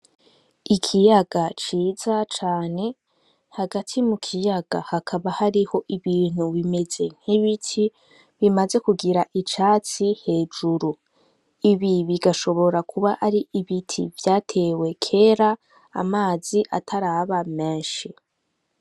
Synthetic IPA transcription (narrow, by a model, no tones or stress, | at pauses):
ikʰijaɡ̥at͡ʃiːzat͡ʃaːne̞ | haɡatʰimukʰijaɡ̥a̰hakʰaβahaɾiho̞ʔiβiːn̥huβime̞ze̞ŋ̥hiβitʰi | βimaze̞kuɡiɾaʔit͡ʃaːt͡sihe̞ːd͡ʒuɾu | iβiβiɡaʃo̞βo̞ɾakʰuβaʔaɾiʔiβitʰḭvjaːtʰe̞we̞kʰe̞ːɾa̰ː | maːziʔa̰tʰaɾaβamẽ̞ːnʃi